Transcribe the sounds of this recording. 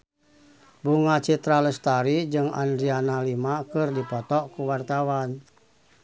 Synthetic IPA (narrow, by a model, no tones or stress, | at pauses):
buŋat͡ʃit̪ɾalɛst̪aɾid͡ʒɨŋa̰ndɾianalimakɨrdipɔt̪ɔʔkuwart̪awan